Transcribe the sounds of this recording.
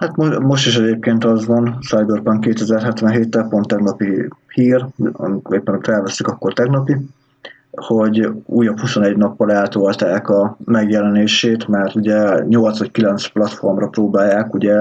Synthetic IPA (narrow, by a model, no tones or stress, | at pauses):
hat̪momo̞ʃt̪iʃɛɟeːp̚keːnt̪ɒzʋɒnsajbørpɒŋkeːt̪ɛzɛrɦɛt̪ʋɛnɦeːt̪ːɛlpo̞nt̪ːɛɡnɒpihiːrɒ̰mikeːpːɛnokt̪ɛlvɛsːykɒkːo̞rt̪ɛɡnɒpi | ho̞ɟṵːjɒphuso̞nɛɟnɒpːɒlɛlt̪olt̪aːkɒmɛɡjɛlɛneːʃeːt̪mɛrt̪uɟɛɲo̞lt̪sʋɒckilɛnt̪splɒt̪fo̞rmrɒproːbaːjːaːkuɟɛ